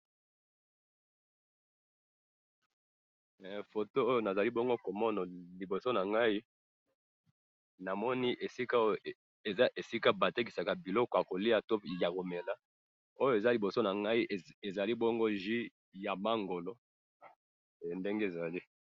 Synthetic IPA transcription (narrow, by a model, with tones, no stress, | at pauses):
fo˨to˦o˦jo˦na˨za˨li˦bɔ˦ŋɡo˦ko˨mɔ˦na˨li˨bo˨so˦na˨ŋɡa˦i˦ | na˨mɔ˦ni˦ʔe˨si˦ka˦o˦˨ | e˨za˦ʔe˨si˦ka˦ba˨te˦k̬i˨sa˨ka˨bi˨lɔ˦kɔ˨ja˨ko˨li˦a˨to˦ja˨ko˨me˨la˦ | o˦jo˨e˨za˦li˨bo˨so˦na˨ŋɡa˦i˦ʔe˨za˨li˦bɔ˦ŋɡo˦ʒi˦ | ja˨ma˦ŋɡo˨lo˦˨ | nde˦ŋɡe˦e˨za˨li˦